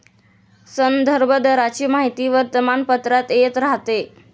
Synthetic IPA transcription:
sənd̪ʱəɾbʱəd̪əɾat͡ɕiːmaɦit̪iːʋəɾt̪əmanpət̪ɾat̪et̪ɾaɦt̪e

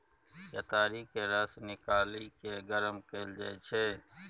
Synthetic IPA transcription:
jat̪aːɾikeɾasnɪkaːlikeɡəɾəmkeːld͡ʒa̰et͡ʃʰeː

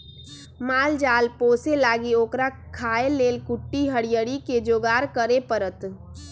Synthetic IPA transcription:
maːld͡ʒaːlpoːselaːɡioːkɾa | kʰaːeleːlkʊʈːiɦəɽijəɽiked͡ʒoːɡaːɾkəɾepəɾət̪

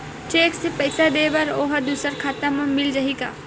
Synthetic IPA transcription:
t͡ʃeːksepɐɪsad̪eːʋɐɾoːɦɐd̪uːsəɾkʰaːt̪ãmɐ̃mɪld͡ʒɐɦika̰ː

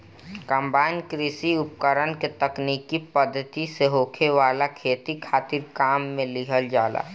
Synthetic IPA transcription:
kə̃mbaːɪnkɾɪsiʊp̚kəɾənket̪əkniːkipəd̪ʱːət̪iseɦoːkʰeʋaːlakʰeːt̪ikʰaːt̪ɪɾkaːmːẽlɪɦəld͡ʒaːla̰ː

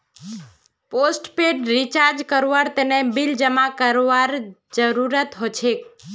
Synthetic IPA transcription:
posʈpeɖɾit͡ʃaɾd͡ʒkəɾʋaɾt̪enebild͡ʒəmakəɾʋaɾd͡ʒəɾuɾət̪ɦot͡ʃʰek

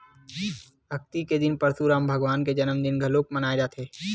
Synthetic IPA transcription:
bʱɐk̚t̪iked̪ɪnpɐɾsuɾaːmbʱɐɡʋaːnked͡ʒɐnəmd̪ɪnɡʱɐloːkmənaːed͡ʒaːt̪ʰeː

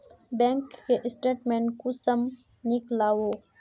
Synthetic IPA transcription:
bɛ̃ːŋkːeʔɪsʈeːʈmẽːnkusɐm | nɪklaːwoː

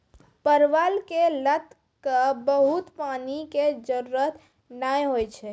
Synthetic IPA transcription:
pəɾʋalkelət̪ | kəbəɦut̪paniked͡ʒəɾuɾət̪ | najɦojt͡ʃʰɛ

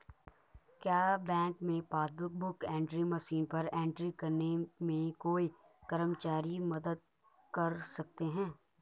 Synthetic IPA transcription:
kjaːbɛ̃ːŋkmẽpaːsbʊk̚bʊkɛ̃ːɳʈɾiməʃiːnpɐɾɛ̃ːɳʈɾikɐɾnemẽkoːi | kɐɾəmt͡ʃaːɾimɐd̪əd̪̚ | kɐɾsɐk̚t̪eɦɛ̃ː

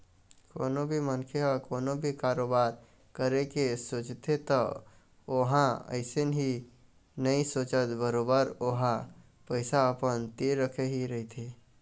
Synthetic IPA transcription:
ko̰ːnobʱimənkʰeɔkoːnobʱikaːɾoːbaːɾ | kəɾekesoːt͡ʃt̪ʰet̪ɔ | oɦãə̰ɪsenɦi | nəĩsoːt͡ʃət̪bəɾoːbəɾoɦã | pəɪsaəpənt̪iɾːəkʰeɦiɾəɦit̪ʰe

